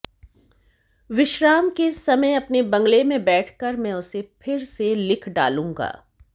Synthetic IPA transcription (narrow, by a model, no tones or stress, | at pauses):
ʋɪʃɾaːmkesɐməjɐpnebɐ̃ŋɡlemẽbɛːʈʰkəɾmɛ̃ːʊsepʰɪɾselɪkʰɖa̰ːlũːŋɡa̰ː